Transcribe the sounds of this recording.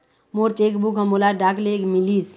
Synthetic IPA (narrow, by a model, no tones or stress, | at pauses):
moːɾt͡ʃeːkbukɦəmolaɖaːklekmilis